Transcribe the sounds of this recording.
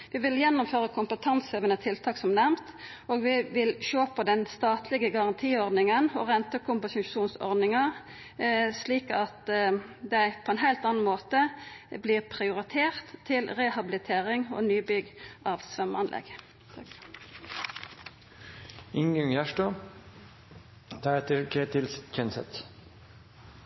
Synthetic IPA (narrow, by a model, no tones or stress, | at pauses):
ʋɪʋɪljɛnːʊmføːʁəkʰʊmpət̪ʰɑnseːʋənət̪ʰɪlt̪ʰɑːksɔmnɛmt̪ | oːɡʋɪʋɪlʃoːpʰɔd̪ɛnst̪ɑːt̪ʰlɪɡəɡɑʁɑnt̪ʰiːɔʁd̪nɪŋənɔ̰ʁɛnt̪əkʰʊmpɑsʃʃuːnsɔ̰ʁd̪nɪŋɑ | sliːkɑt̪d̪æɪpʰɔɛnɦæɪlt̪ɑːnn̩moːt̪əbliːʁpʰʁɪʊʁɪt̪ʰeːʁt̪ʰːɪlʁɛhɑbɪlɪt̪ʰeːʁɪŋo̰ːnyːbʏɡʔɑːʋsʋɛmɑnlʔɛ̰ɡ | ɪŋɑŋjæʃʈoː | d̪̥ɑɛt̪əkʰeːt̪ʰɪlskʰɛnsɛ̰t̪